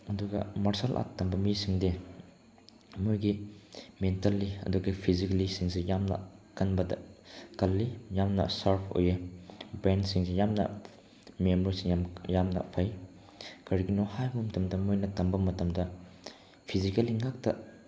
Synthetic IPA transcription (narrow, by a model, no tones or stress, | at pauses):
ɐduɡɐmɐɾsalʔa̰tːɐmbɐmisiŋde | mojɡimentalːiɐ̰duɡɐpʰizikɐlisiŋsejamnɐ̰kɐnbɐdɐ̰kɐlːijamnɐ̰sɐɾpʰo̰jɐbɾensiŋsejamnɐ̰ | memɾisiŋamjamnɐ̰pʰɐj | kɐɾiɡinohajbɐmɐtɐmdɐmojnɐtɐmbɐmɐtɐmdɐ | pʰizikɐliŋak̚tɐ̰